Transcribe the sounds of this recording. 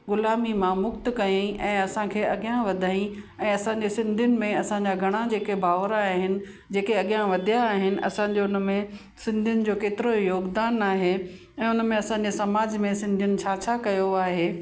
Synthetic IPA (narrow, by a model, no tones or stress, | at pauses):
ɡʊlaːmimãmʊkt̪kɐĩʔɛ̃ːɐsãkʰeːɐɠijãʋɐd̪ʱaːĩ | ɛ̃ːɐsãɲ̆d͡ʑesɪ̃nd̪ʱijʊnɪ̆mẽɐsãɲ̆d͡ʑaɡʱɐɽ̃ad͡ʑeːkebʱaːʋɾaɦɪnɪ̆ | d͡ʑeːkeɐɠijãʋɐd̪ʱijaːɦɪnɪ̆ʔɐ̰sãɲd͡ʑoʊnmẽ | sɪ̃nd̪ʱijʊnɪ̆d͡ʑoːkeːt̪ɪɾojoːɡd̪aːnaːɦe | ɛ̃ːʊnəmẽɐsãːɲ̆d͡ʑesɐmaːd͡ʑmẽsɪ̃nd̪ʱijʊnɪ̆t͡ɕʰaːt͡ɕʰakɐjoaːɦeː